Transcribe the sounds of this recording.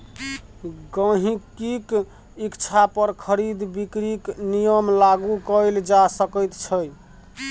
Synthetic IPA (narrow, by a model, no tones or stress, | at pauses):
ɡə̃ɦĩkik | ikt͡ʃʰapəɾkʰəɾid̪bikɾiknijəmlaɡukəld͡ʒasəkəjt̪t͡ʃʰəj